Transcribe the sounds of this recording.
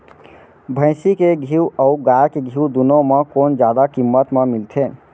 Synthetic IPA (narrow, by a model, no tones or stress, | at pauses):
bʱə̃ɪ̃sikeɡʱiwəuɡajkeɡʱiwd̪unomekond͡ʒjad̪akimːət̪memilt̪ʰe